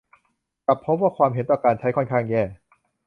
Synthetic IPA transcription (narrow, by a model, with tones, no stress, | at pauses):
ka˨˩pʰːo˦˥m̚waː˥˩kʰwaː˧mɦe˩˦nt̪ɔː˨˩kaː˧nt͡ɕʰa˦˥jkʰo˥nkʰaː˥˩ŋjɛː˥˩